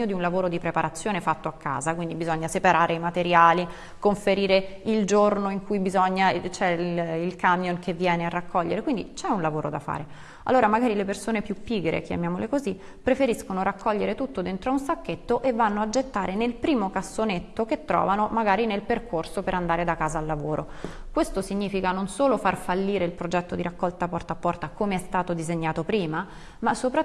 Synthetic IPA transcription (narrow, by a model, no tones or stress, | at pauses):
od̪iunlavoːɾod̪ipɾepaɾat̪sːjoːnefat̪ːoakːa̰ːzakwind̪ibizɔɲːasepaɾʔaːɾeimat̪eɾjaːli | koɱfeɾiːɾeild͡ʒornoiŋkujbizɔɲːat͡ʃɛilkamjonkʰevːjɛːnearːakːɔʎːḛɾekwind̪it͡ʃɛunlavoːɾod̪a̰fa̰ːɾe | a̰lːoːɾamaɡaːɾilepersoːnepjupːiːɡɾḛk̟ʰja̰mjaːmolekozi | pːɾefeɾiskonoɾakʰːɔʎːeɾet̪ut̪ːod̪ent̪ɾoaunsakːet̪ːoʔevːanːoad͡ʒet̪ːaːɾenelpɾiːmokasːonet̪ːoket̪ːɾɔ̰ːvanomaɡaːɾinelperkʰorsopeɾand̪aːɾed̪akaːzaːlːavoːɾʔokwest̪osiɲːiːfikanonsoːlofarfalːiːɾeilpɾod͡ʒɛt̪ːod̪iɾakːɔlt̪apɔrt̪apːɔrt̪akomeɛst̪aːt̪od̪izeɲːaːt̪opɾiːma | masːopɾa